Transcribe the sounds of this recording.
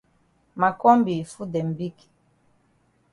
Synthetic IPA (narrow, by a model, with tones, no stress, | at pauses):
ma˨kɔ˦mbi˨fu˦dɛ˨m˨bi˦ki̥˨